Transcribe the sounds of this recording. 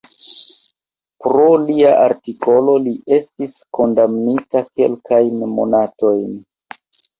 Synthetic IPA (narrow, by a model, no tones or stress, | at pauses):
pɾo̞liaʔaɾtiko̞lo̞liʔe̞stisko̞ndamnitake̞̰lkʰajnmo̞̰nato̞jn